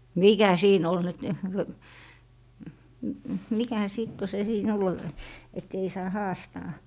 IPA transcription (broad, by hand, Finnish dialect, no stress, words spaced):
miˑkæ siːn ol nyt mikæ siˑt ko se siːn ol et ei sɑː hɑːstɑː